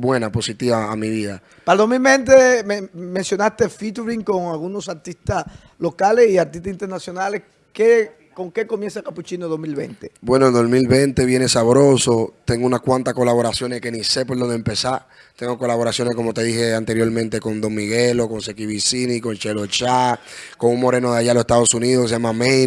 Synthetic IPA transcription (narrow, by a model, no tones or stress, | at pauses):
bwe̞napo̞sit̪iβaːmiβiða | pald̪omilβẽnt̪emẽnsjo̞nast̪efit̪uɾiŋko̞ŋalɣunosaɾt̪ist̪as | lo̞kalesiaɾt̪ist̪asint̪eɾnasjo̞nales | ke | ko̞ŋke̞komjensakaput͡ʃinoð̞osmilβḛnt̪ebwe̞noeld̪o̞smilβẽ̞nt̪e̞βjene̞saβɾo̞so̞t̪e̞ŋɡounakwãnt̪ahko̞laβo̞ɾasjo̞neske̞nise̞p̬oloðd̪empe̞sa | t̪e̞ŋɡoko̞laβo̞ɾasjo̞nesko̞mo̞t̪e̞ðihe̞ant̪e̞ɾjo̞ɾmẽnt̪e̞ko̞nd̪o̞ŋmiɣelo̞ko̞nsekiβisiniko̞nt͡ʃelot͡ʃako̞ŋuŋmo̞ɾe̞noðaʝalosest̪aðo̞suniðohkes̬ejamame